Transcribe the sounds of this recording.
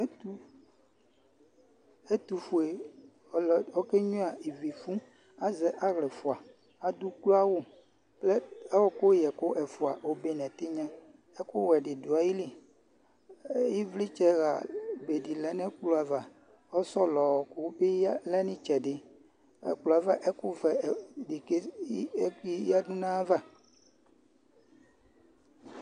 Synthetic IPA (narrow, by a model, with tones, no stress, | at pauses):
e˦t̪u˦ | e˦t̪u˨fu˨e˨ | lɔ˦ke˦ɲũ˦a˨i˨vi˨fũ˦ | a˨zɛ˨ʔa˦ɣlɛ˨fu˨a˨ | a˨d̪u˦klo˦a˦wo˦ | plɛ˦ɛ˦wɔ˦ko˦jɛ˨ko˦ʔɛ˨fu˨a˨wo˨be˦nɛ̃˨t̪e˦ɲɛ̃˦ | ɛ˦ko˦wɛ˨ɖɪ˨du˨a˨ji˦li˦ | ji˦vli˦t͡ʃɛ˦ɣa˨be˨di˨lɛ˨nɛ̃˦k͡plu˦a˨va˨ | ɔ˦sɔ˦lɔ˨wɔ˨kʊ˦bɪ˦lɛ˦nĩ˦t͡ʃɛ˨ɖɪ˨ | ɛ̰˨k͡plu˨a˨va˦ʔɛ˦kʊ˦vɛ˨dɪ˨ke˦ | i˦ja˦dũ˦nã˦va˦